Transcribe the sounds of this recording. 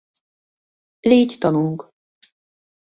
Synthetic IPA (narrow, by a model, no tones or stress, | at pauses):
leːct̪ɒnuŋk